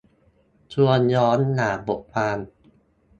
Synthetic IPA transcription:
t͡ɕʰu˧ənjɔː˦˥nːaː˩˦bo˨˩ʔ̚pʰaː˧n

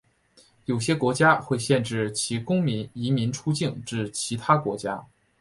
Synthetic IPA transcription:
jo˨˩ʊɕjɛ˥kwɔ˧˥t͡ɕja˥xwe˥˧ɪɕjɛ˥˧nʈ͡ʂɻ̩˥˩t͡ɕʰi˧˥kʊ˥ŋmi˧˥i˧˥mi˧˥nʈ͡ʂʰu˥t͡ɕi˥˩ŋʈ͡ʂɻ̩˥˩t͡ɕʰi˧˥t̪ʰa˥kwɔ̰˧˥t͡ɕja˥

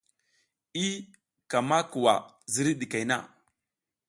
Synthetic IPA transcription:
i˦ | ka˨ma˦ku˨wa̰˨ | zi˨ɾi˦ɗi˨ka˨jna̰˦˨

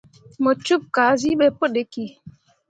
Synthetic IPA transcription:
mə˨t͡ʃu˦p̚kaː˨˦zi˦ɓɛ˦pə˦ɗe˨ki˦

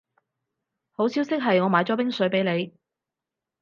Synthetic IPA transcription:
ho˨˥wsiː˥wsɪ˥k̚ɦɐ˨jŋɔː˨˧maː˨˥jt͡sɔː˨˥pɪ˥ŋsɵ˨˥ɥpe˨˥jle˨˧j

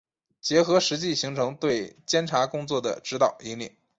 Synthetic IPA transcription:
t͡ɕjɛ˧˥xɤ˧˥ʂɻ̩˧˥t͡ɕi˥˩ɕi˧˥ŋʈ͡ʂʰɤ˧˥ŋt̪we˥˩ɪt͡ɕjɛ˥nʈ͡ʂʰa˧˥kʊ˥ŋt͡swɔ˥˩d̪ə̰˩ʈ͡ʂɻ̩˧˥t̪ɑ˨˩ʊi˧˥ŋlḭ˥˩˦

